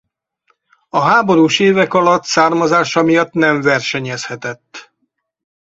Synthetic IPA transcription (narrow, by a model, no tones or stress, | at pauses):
ɒɦaːbo̞ɾuːʃeːvɛkɒlɒt̪saːrmɒzaːʃɒmijɒt̪nɛɱvɛrʃɛɲɛshɛt̪ɛt̪ː